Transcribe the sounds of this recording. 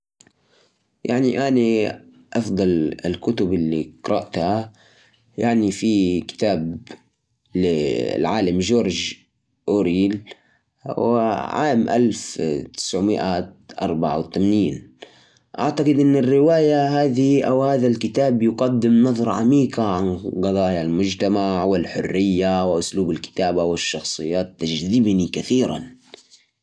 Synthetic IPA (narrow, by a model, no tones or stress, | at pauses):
ja̰ʕniʔani | ʔɑfd̪ˤɑlɪlkʊt̪ʊbɪlːiqɾˤɑ̰ʔt̪ha | jaʕnifikɪ̥t̪aːb | lɪ̰lʕaːlamʒoːɾˤʒ | ʔoːɾiːl | wʕa̰ːmʔa̰lft̪ɪ̥sʕmɪʔat̪ʔɑ̰ɾˤbaʕa̰wt̪amaniːn | ʔa̰ʕt̪aɡɨd̪ʔɪnːɪrːɪwaːjaɦaːðiʔawhaːðalkɪt̪aːbjʊɡɑd̪ːɪmnɑðˤɾˤʕa̰miːqaʕanɡɑðˤɑːjalmʊd͡ʒt̪amaʕwɪlħʊrːɪjːawɪʔʊsluːbalkɪ̥t̪aːbawɪʃːɑxsˤɨjːaːt̪ːad͡ʒðɪbnikaθiːɾa̰n